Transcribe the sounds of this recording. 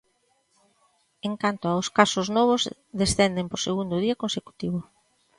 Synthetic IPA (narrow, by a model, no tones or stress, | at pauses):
eŋkant̪oaʊskasʊznɔβ̞ʊz | ðesθɛnd̪emposeɣund̪oðiɐkonseku̥t̪iβʊ